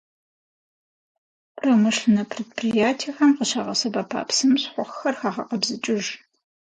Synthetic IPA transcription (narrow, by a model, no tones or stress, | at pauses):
pʰromɨʂɬɨnɐpʰreːd̚pʰrijaːtʰiɐxɐmqəʃaːʁɐsɐbaːpʰa̰ːpsɨmɕħʷʊχxɐrxaːʁɐqɐbzɨt͡ʃʼɪʒ